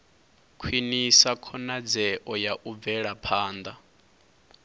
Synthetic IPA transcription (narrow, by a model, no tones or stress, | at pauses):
kʰwinisakʰɔnad͡zɛʔɔjaʔub̪vɛɺapʰaːnd̪a